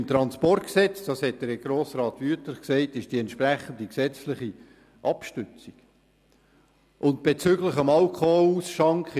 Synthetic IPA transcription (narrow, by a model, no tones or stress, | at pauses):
mt̪ɾɑnspɔrtksɛt͡sd̥ɑshɛt̚d̥əɾɡ̥ɾoːsrɑːt̪ʋyətləχksɛɪtɪʃd̥iɛntʃpræχənd̪iksɛt͡slɪχi | ʔɑpʃtʏt͡siɡ̥ | ʔʊnt̚b̥et͡sʏɡləχɑmɑlkʰχɔhɔlusʃɑŋkχ